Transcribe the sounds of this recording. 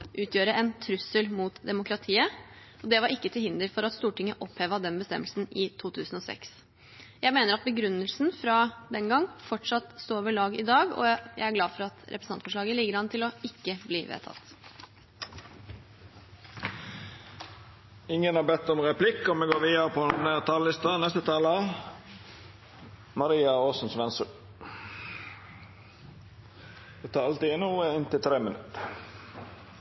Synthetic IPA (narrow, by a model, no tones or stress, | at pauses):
ʔʉːt̪ʰjøːɾəʔɛnt̪ʰɾʉsəlmuːt̪d̪ɛmʊkɾɑt̪ʰiːə | ɔd̪ɛʋɑɾɪkːət̪ʰɪlhɪnd̪əɾfɔɾɑt̪st̪uːʈɪŋəʔɔpʰheːʋɑd̪ɛnbəst̪ɛ̰mːəlsn̩ɪt̪ʰuːt̪ʰʉːsn̩ɔsɛ̰ks | jæɪmeːnəɾɑt̪̚bəɡɾʉnːəlsnfɾɑd̪ɛnɡɑŋːfɔʈʂɑt̪st̪oːoːʋəɭɑːɡɪd̪ɑːɡɔ̰jæ̰ɪæɾɡlɑːfɔɾɑt̪ɾʔɛpɾəsɑnfɔʂɭɑːɡəlɪɡəɖɑnːət̪ʰɪlɔɪkːəbliːʋḛːt̪ʰɑ̰t̪ | ɪŋːənɑbɛt̪ːɔmʁɛpʰlɪkːɔmɛɡoːɾʋiːəɾəpʰɔɛnæt̪ʰɑːllɪst̪ənɛst̪ət̪ʰɑːlə | mɑɾiːɑoːsn̩sʋɛnsʉ | ɛt̪ʰɑːɾɑlt̪iːnuːəɪnt̪ɪlt̪ʰɾeːmənʉtt̪